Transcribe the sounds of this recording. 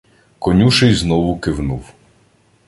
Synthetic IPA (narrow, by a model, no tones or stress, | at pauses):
kɔnʲuʃɛjznɔʋʊkɪwnuw